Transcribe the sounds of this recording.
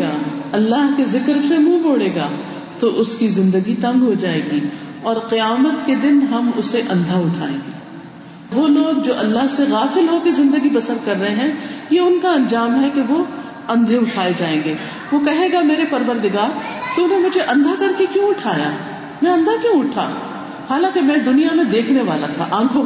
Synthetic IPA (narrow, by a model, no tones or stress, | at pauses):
aːɐlːaːɦkezɪkɾsemũːmoːɽeːɡa̰ː | t̪oʔʊskizɪ̃nd̪əɡit̪ɐ̃ŋɡɦod͡ʒaːeːɡi | ɔːɾqɪjaːmət̪ked̪ɪnɦɐmʊseʔɐ̃nd̪ʱaʊʈʰa̰ːḛ̃ːŋɡeː | ʋoːloːɡ̚d͡ʒoːʔɐlːaɦseɣaːfɪlɦokezɪ̃nd̪əɡibɐsəɾkɐɾːɐɦeɦɛ̃jeʊnkaɐ̃nd͡ʒaːmɦɛkeʋo | ɐ̃nd̪ʱeʊʈʰaːed͡ʒaːẽːŋɡeː | ʋokɐɦeːɡameːɾepɐɾʋəɾd̪ɪɡaːɾt̪oʊnɦẽmʊd͡ʒʱeʔɐ̃nd̪ʱakɐɾkekjũʊʈʰaːja̰ː | mɛ̃ɐ̃nd̪ʱakjũʊʈʰa̰ː | haːlãːkemɛ̃ːd̪ʊnijamẽd̪eːkʰneʋaːlat̪ʰa̰ʔãːkʰo